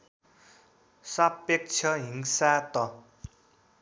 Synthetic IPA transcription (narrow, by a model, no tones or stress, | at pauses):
sapːek̚t͡ɕʰʌɦiŋsat̪ʌ